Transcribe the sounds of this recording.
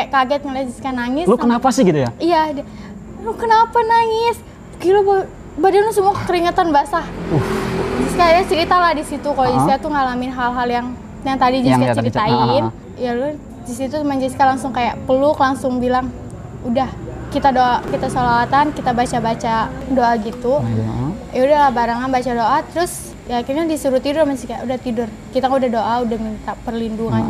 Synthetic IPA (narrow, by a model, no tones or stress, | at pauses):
kaʔkaɡɛt̪̚ŋəlad͡ʒiskanaŋɪslukənapasɪhɡit̪ujaijad | lukənapanaŋɪs | kiloba | badanlasəmuat̪əɾiŋət̪anbasaud͡ʒiskajat͡ʃəɾit̪alahdisit̪ukalod͡ʒiskat̪uŋalamɪnɦalɦaljaŋ | jaŋt̪adid͡ʒikat͡ʃəɾit̪ain | ijalu | d͡ʒisit̪umaɲd͡ʒisi̥kalaŋsʊŋkajaʔpəlʊklaŋsʊŋbilaŋ | udahkit̪adoʔakit̪asalawat̪ankit̪abat͡ʃabat͡ʃadoʔaɡit̪u | jaudalabaɾaŋanbat͡ʃadoʔat̪əɾʊs | jakirɲadisuɾʊt̪idʊrmastikajaʔudaht̪idʊr | kit̪aŋudahdoʔaudahmint̪apərlinduŋan